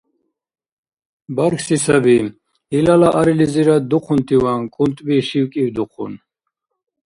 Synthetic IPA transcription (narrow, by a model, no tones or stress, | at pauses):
baɾkʰsisabi | ilalaʔaɾiliziɾad̪uqʰunt̪ʰiwankʼunt̪ʼbiʃiwkʼiwd̪uqʰṵn